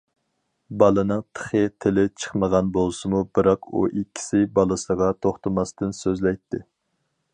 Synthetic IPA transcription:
bɑlˠɨnɨŋt̪ʰə̥χət̪ʰɪlɪt͡ʃʰə̥χməʁɑnbolˠsɨmubɨɾɑqṵʔikʲʰːi̥sɪbɑlˠɨsəʁɑt̪ʰoχt̪əmɑst̪ɨnsøzlɛjt̪ʰːɪ

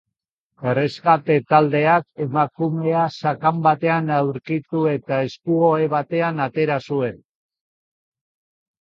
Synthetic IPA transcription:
ereskat̪e̞t̪ald̪e̞ake̞makume̞asakambat̪e̞anawɾkit̪ue̞t̪ae̞skuoeβ̞at̪e̞anat̪e̞ɾasue̞n

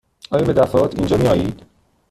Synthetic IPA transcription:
ɒːjɒbe̞d̪æfɒːot̪ʰḭnd͡ʒɒːmijɒːjiːd̪̥

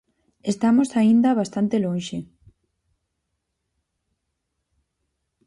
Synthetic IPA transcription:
est̪amosaind̪ɐβast̪ant̪elõnʃe

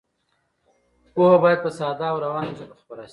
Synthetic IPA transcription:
pohabɑjad̪̚pəsɑd̪ɑːwɾawɑnsapəxpaɾaʃ

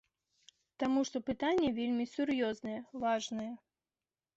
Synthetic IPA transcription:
t̪amuʂt̪ɔpɨt̪anʲːɛvʲelʲmʲisʲurjɔznɐjɛvaʐnɐjɛ

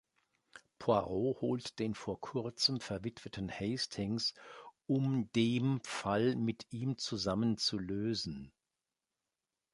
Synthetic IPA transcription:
pʰoaʁohoːltd̥eːnfoːɐkʰʊɐt͡səmfɛɐvɪtv̥ətʰən̩hɛɪstʰɪŋsʔʊmdeːmfalmɪtʔiːmt͡suzamənt͡suløːzn̩

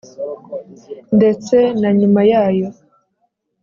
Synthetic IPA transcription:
nde̞t͡se̞naɲumajaːjo̞

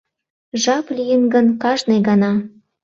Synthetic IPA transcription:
ʒɑplijənɡənkɑʒnɤjɡɑnɑ

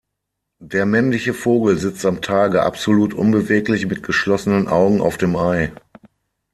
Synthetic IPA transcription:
d̥eːɐmɛnlɪçəfoːɡl̩zɪt͡stamtʰaːɡəʔa̰pz̥oluːtʔʊ̰nbəveːklɪçmɪt̚ɡ̥əʃlɔsənənʔaʊɡŋ̩a̰ʊfd̥eːmʔaɪ

